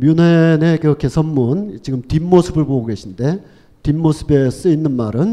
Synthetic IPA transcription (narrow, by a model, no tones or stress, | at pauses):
mjunene̞kɯɾʌkʰe̞sʰʌnmunt͡ɕiɡɯmtimːosʰɯbɯɭpoɡoɡe̞ɕʰinde̞ | timːosʰɯbe̞s͈ɯinːɯnmaɾɯn